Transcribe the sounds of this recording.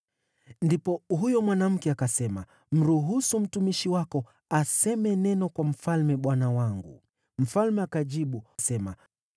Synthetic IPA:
ndipɔɦujɔmwanam̩kɛakasɛma | m̩ɾuɦusum̩tumiʃiwakɔ | asɛmɛnɛnɔkwam̩falmɛɓwanawaŋɡṵ | m̩falmɛakaʄiɓusɛma

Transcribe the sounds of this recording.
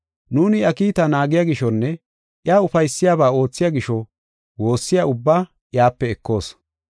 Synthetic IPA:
nuːnɪɐkiːt̪ɐnaːɡɪjaɡɪʃɔnːɛ | ʔjaːʊfɐjsːɪjaːbaːo̞ːt͡sːɪjaɡɪʃɔ | wo̞ːsːɪjaʊbːaː | ʔjaːpːɛːkːo̞ːs

